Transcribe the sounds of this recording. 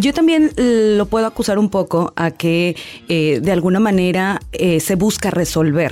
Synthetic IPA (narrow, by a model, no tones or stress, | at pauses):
ɟ͡ʝo̞t̪ambje̞nlo̞pwe̞ð̞oakusaɾumpo̞ko̞ʔake̞eðe̞alɣunamãne̞ɾaese̞βuskare̞so̞lβe̞ɾ